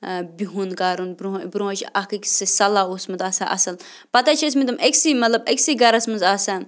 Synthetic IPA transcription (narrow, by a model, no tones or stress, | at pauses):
bʲiɦunkaːɾunbɾubɾuõt͡ʃʰɐkikʲsɨsɐlaːoːsmɐnt̪aːsaʔɐ̰sɐl | pɐt̪at͡ʃʰis̬mit̪̬ɨmʔɐkʲsimɐt̪lɐbɐkʲsiːɡɐɾɐsmɐnzaːsãː